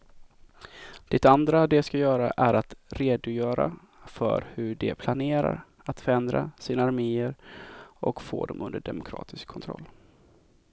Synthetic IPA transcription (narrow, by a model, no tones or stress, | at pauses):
d̪̥ɛt̪and̪ɾad̪ɛskajœːɾaʔæɾat̪ɾeːd̪ʊjœːɾa̰ | fœ̰ɾhɵɖɛpʰlaneːɾa̰ɾ | at̪fœɾɛnd̪ɾasiːnaaːɾmeːəɾʔɔkfoːd̪ɔmʔɵnd̪əɖɛmʊkʰɾɑ̰ːt̪ʰɪskʰːɔnt̪ʰɾɔ̰lː